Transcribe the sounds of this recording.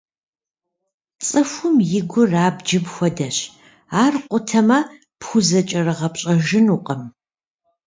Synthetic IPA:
t͡sʼɨfʷʊmjɪɡʷʊraːbd͡ʒɪbxʷɔdɐɕ | aːrqʷʊtʰɐmɐ | pxʷʊzɐt͡ʃʼɐrɨʁɐpɕʼɐʒɪnuqʼɐm

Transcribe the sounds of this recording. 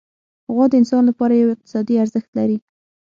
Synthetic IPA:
haɣwɑd̪əɪnsɑnlapɑɾajawɪq̚t̪ɪ̥sɑd̪iaɾzəxt̪laɾi

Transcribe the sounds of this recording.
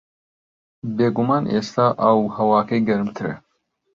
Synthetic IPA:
beːɡumaːnʔeːst̪ʰaːʔɐwhɐwaːkʰɐjɡɐɾɨmt̪ʰɨɾḛ

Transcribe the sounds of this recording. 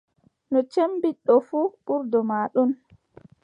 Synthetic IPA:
nɔt͡ʃembiɗːɔfuɓuɾdɔmaːɗun

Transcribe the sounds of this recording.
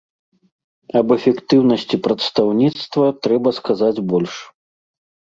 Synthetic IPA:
ɐbɛfʲɛkt̪ɨwnɐsʲt͡sʲipɾɐt̪st̪awnʲit̪st̪vɐt̪ɾɛbɐskazad͡zʲbɔlʲʂ

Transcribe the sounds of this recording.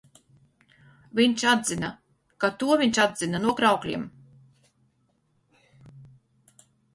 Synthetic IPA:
vʲiɲt͡ʃad̪zina | kat̪uɔviɲt͡ʃad̪z̥inanuɔɡɾawklʲḭɛm

